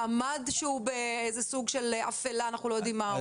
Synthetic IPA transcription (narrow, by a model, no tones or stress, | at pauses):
amadʃeubeejzesuɡʃela̰felaːnaχnulojod̪imːa